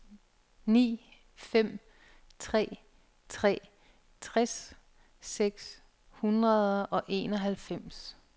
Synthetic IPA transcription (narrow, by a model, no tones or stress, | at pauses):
nḭː | fem̰ | t͡sʰʁɛ̰ː | t͡sʰʁɛ̰ː | t͡sʰʁas | seɡ̥s | hunʁɐðˠʔɒ̽ʔe̝ːnɒ̽ɦælfem̰s